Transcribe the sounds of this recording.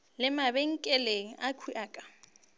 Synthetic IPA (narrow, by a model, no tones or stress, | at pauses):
lɪmabɛŋ̩kʼɛleakʰuʔaːkʼḁ